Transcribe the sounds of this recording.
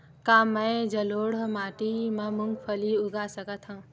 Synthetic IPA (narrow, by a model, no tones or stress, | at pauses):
kaːmɐ̃d͡ʒɐloːɽmaːʈimãmuŋɡpʰəliuɡasɐkət̪ʰhã